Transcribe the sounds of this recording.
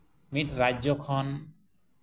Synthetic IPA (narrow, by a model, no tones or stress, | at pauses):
mit̪̚ɾad͡ʒɔkʰɔn